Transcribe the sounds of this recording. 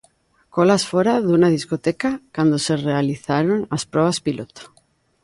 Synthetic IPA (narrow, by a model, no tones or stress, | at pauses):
kolasfoɾaðunað̞iskot̪ekakand̪oserealiθaɾonaspɾoβ̞aspilot̪o̥